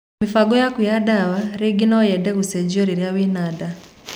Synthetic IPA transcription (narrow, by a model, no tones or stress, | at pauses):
mifaɡojakujadaβaɾiɡinojedeɣused͡ʒoɾiɾjawinada